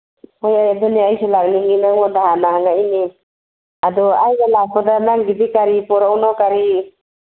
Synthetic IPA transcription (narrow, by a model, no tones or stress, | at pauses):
mɔjaadɔniajsɔlak̚niŋinamɔdaɦanahaŋaini | adɔajnalapʰɔdanaŋɡidikaɾipɔɾawnawkaɾi